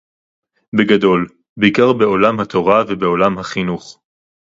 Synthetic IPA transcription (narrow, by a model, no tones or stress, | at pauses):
beɡad̪o̞l | beikaʁbe̞o̞lamhat̪ʰo̞ʁavebeo̞lamɦaχinuχ